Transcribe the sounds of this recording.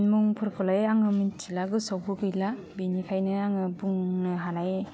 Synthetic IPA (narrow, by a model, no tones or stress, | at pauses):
nmuŋpʰɯɾkʰɔlajaŋɯmɯnt͡ʃʰilaɡɯsɔwpʰɯɡɯjla | binikʰajnɯaŋɯbuŋɯɦanaj